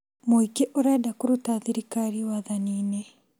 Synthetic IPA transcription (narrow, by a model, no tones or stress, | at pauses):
moikeʔoɾɛːdakuɾutaðiɾikaɾiwaðaniːne